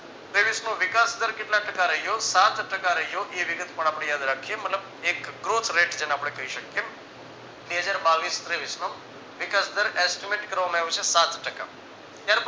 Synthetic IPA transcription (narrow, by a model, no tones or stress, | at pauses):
t̪ɾeʋisnoʋɪkasd̪əɾkeʈlaʈəkaɾəɦijosat̪ʈəkaɾəɦijoʔeʋɪɡət̪pəɳ̃apɽ̃ejad̪ɾakʰijemət̪ləb | ekɡɾot̪ʰɾeʈd͡ʒeneapɽ̃ekəiʃəkje | beɦəd͡ʒaɾbaʋist̪ɾeʋisno | ʋɪkasd̪əɾɛsʈimeʈkəɾʋamãeʋjot͡ʃʰesat̪ʰʈəka̰ | t̪jaɾp